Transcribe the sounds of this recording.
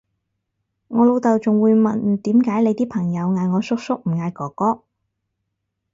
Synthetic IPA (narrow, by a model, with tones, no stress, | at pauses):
ŋɔː˨˧lo˨˧wt̪ɐ˨wt͡sʊ˨ŋwuː˨˧jmɐ˨nt̪iː˨˥mkaː˨˥jle˨˧jt̪iː˥pʰɐ˨˩ŋjɐ˨˧wŋaː˨jŋɔː˨˧sʊ˥k̚sʊ˥k̚m̩˨˩ŋaː˨˧jkɔː˨˩kːɔː˥